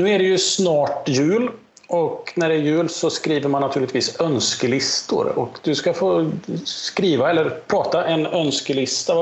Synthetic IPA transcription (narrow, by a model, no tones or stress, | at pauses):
nʉ̟ːæɖɛjɵsnɑːʈjʉ̟ːl | ɔknæɖɛːɾjʉ̟ːlsɔskɾiːvəɾmanːat̪ʰʉ̟ːlɪt̪ʰviːsœnskəlɪst̪ʊ̰ɾɔ̰kd̪̥ɵskafoːskɾiːvaɛlːəɾpʰɾɑːt̪aʔɛnœnskəlɪst̪a